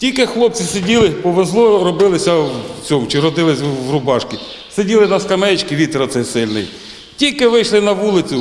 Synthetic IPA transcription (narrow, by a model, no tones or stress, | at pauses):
tʲilʲkɪxlˠɔp̚t͡sʲisedʲilˠɪpɔʋezlˠɔɾɔbɪlˠɪsʲɐwt͡sʲɔmʊt͡ʃɪɾɔd̪ɪlˠɪsʲʋrʊbɑʃkʲi | sedʲilˠɪnɐskɐmɛt͡ʃkʲɪʋʲit̪ɾɐt̪sɛjsɪlʲnɪ̰j | tʲilʲkɪʋɪjʃlˠɪnɐʋulˠɪt͡sʲʊ